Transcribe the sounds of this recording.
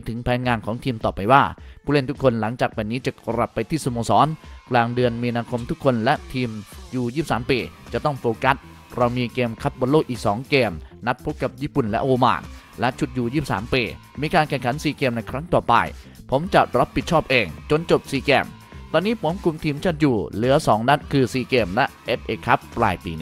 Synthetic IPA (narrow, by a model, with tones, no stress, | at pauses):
t̪ʰɯ˩˦ŋpʰɛː˨˦nŋaː˧nkʰɔː˩˦ŋt̪ʰiː˧mt̪ɔː˨˩pa˧jwaː˥˩pʰuː˥˩le˥˩nt̪ʰu˥kʰːo˧nla˩˦ŋt͡ɕaː˨˩k̚pʰɛ˧nːiː˦˥t͡ɕa˨˩kɾa˨˩pːa˧jt̪ʰiː˥˩so˧moː˧sɔː˩˦nklaː˧ŋdɯ˧ənmiː˧naː˧kʰo˧mt̪ʰu˦˥kʰːo˧nlɛ˦˥ʔt̪ʰiː˧mjuː˨˩jiː˥˩p̚saː˩˦mpeː˧˩t͡ɕa˨˩t̪ɔ˥˩ŋfoː˧ka˦˥t̪̚ | ɾa˧wmiː˧keː˧mkʰa˦˥p̪̚bo˧nloː˥˩k̚ʔiː˨˩k̚sɔː˩˦ŋkeː˧mna˦˥t̪̚pʰo˦˥p̚ka˨˩p̚jiː˥˩pu˨˩nlɛ̰˦˥ʔoː˧ma̰ː˨˩n | lɛ˦˥ʔt͡ɕʰu˨˩t̪̚juː˨˩jiː˥˩p̚sa̰ː˩˦mpeː˧˩ | miː˧kaː˧nkʰɛ˧˩ŋkʰa˩˦nsiː˨˩keː˧mna˧jkʰɾa˦˥ŋt̪ɔː˨˩pa̰˧j | pʰo˩˦mt͡ɕa˨˩ʔɾa˦˥pʰːi˨˩t̪̚t͡ɕʰɔː˥˩p̚ʔeː˧ŋt͡ɕo˧nt͡ɕo˨˩p̚siː˧kɛː˧m | t̪ɔː˧nːiː˦˥pʰo˩˦mkʰu˧mt̪ʰiː˧mt͡ɕʰaː˥˩t̪̚juː˨˩lɯ˩˦ɐsɔː˩˦ŋna˦˥n̚kʰɯː˧siː˧˩keː˧mlɛ˦˥ʔʔe˦˥p̚ʔeː˧kʰa˦˥pːlaː˧jpḭː˧˩n˦